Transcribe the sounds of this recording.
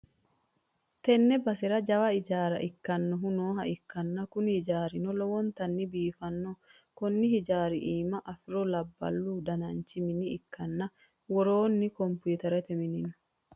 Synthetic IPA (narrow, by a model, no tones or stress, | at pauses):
t̪ɛnːɛbɐsɛɾɐd͡ʒɐwɐɪd͡ʒaːɾɐ̰ʔɪkːɐnːɔɦʊnoːɦɐʔɪkːɐnːɐkʊnhɪd͡ʒaːɾɪnɔlɔwɔnt̪ɐnːɪbiːfɐnːɔ | kɔnːɪhɪd͡ʒaːɾɪʔiːmɐʔɐfɪɾɔlɐbːɐ̰lːuːd̪ɐnɐnt͡ʃːɪmɪnɪɪkːɐnːɐ | wɔɾoːnːɪkɔmpuːt̪ɐɾɛt̪ɛmɪnɪnɔ̥